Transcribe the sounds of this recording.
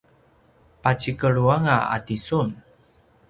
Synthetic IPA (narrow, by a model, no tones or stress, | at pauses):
pat͡ɕikəɭuaŋaa̰tisun